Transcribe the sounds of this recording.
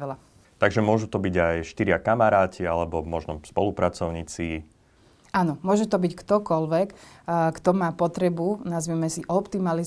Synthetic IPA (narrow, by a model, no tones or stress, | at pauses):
ɛla | t̪aɡʒɛmʊɔʒut̪ɔbiɟajʃt̪iɾɪakamaɾaːcialɛbɔmɔʒnɔspɔ̰lupɾat͡sɔʊɲiːt͡si | anɔmʊɔʒɛt̪ɔbickt̪ɔkɔlʋɛkkt̪ɔmaːpɔt̪ɾɛbunazʋimɛsiʔɔpt̪imali